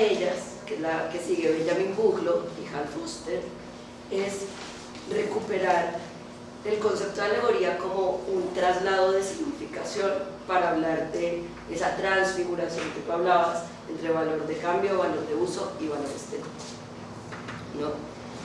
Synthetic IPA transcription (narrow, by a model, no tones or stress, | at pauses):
eʝas | kelake̞siɣe̞βed͡ʒamĩŋbuɣlo̞ixalfust̪eɾ | e̞s | re̞kupe̞ɾaɾ | e̞lko̞nse̞p̚t̪oðjaleɣo̞ɾiako̞mo̞unt̪ɾazlaðo̞ðe̞siɣnifikasjo̞npaɾaːβlaɾd̪e̞ | esat̪ɾansfiɣuɾasjo̞ŋket̪uaβlaβas | ent̪ɾe̞βalo̞ɾezd̪e̞kambjoβalo̞ɾd̪e̞uso̞iβaloɾest̪ent̪ | no